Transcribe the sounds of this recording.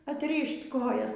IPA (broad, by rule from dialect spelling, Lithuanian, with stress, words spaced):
ɐtʲˈrʲiːʃʲtʲ ˈkoːjɛs